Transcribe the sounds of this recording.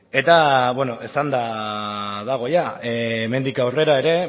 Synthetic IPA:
e̞t̪aβenoʔesand̪a | ðaɣ̞o̞jaeːme̞nd̪ikawre̞ɾaeɾe̞

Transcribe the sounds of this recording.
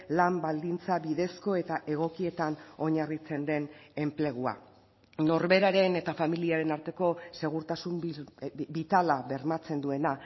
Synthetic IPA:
lambald̪int͡saβiðe̞sko̞e̞t̪aʔe̞ɣ̞o̞kie̞t̪ano̞ɲarit͡se̞nd̪e̞ne̞mple̞ɣ̞ua̰ | no̞ɾβe̞ɾaɾe̞ne̞t̪afamiliaɾe̞naɾt̪e̞ko̞se̞ɣ̞uɾt̪asum | bit̪alaβe̞ɾmat͡se̞nd̪ue̞na

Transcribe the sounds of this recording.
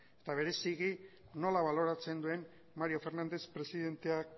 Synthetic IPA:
e̞t̪aβ̞e̞ɾe̞siɣi | no̞laβalo̞ɾat͡se̞nd̪ue̞n | maɾio̞fe̞ɾnand̪e̞spɾe̞siðe̞nt̪e̞ak

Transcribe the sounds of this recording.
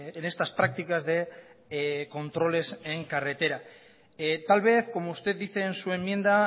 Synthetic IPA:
enest̪aspɾak̚t̪ikazðe̞ | ko̞nt̪ɾo̞le̞se̞ŋkare̞t̪e̞ɾa | et̪alβ̞e̞θko̞moust̪e̞ððiθe̞ːnsue̞mːje̞nd̪a

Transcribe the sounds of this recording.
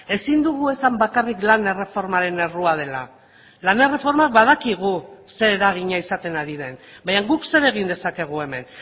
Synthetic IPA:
e̞sind̪uɣue̞sambakariklane̞re̞fo̞ɾmaɾe̞ne̞ruað̞e̞la̰ | lane̞re̞fo̞ɾmak̚bað̞akiɣ̞use̞ɾeɾaɣ̞iɲaisat̪e̞naɾiðe̞nbajaŋɡukse̞ɾe̞ɣ̞ind̪e̞sake̞ɣ̞ue̞me̞n

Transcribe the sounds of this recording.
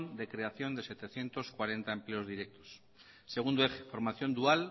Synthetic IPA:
nd̪e̞kɾe̞aθjo̞nd̪e̞se̞t̪eθje̞nt̪o̞skwaɾe̞nt̪aemple̞o̞zðiɾek̚t̪o̥s | se̞ɣ̞und̪oexefo̞ɾmaθjo̞nd̪ual

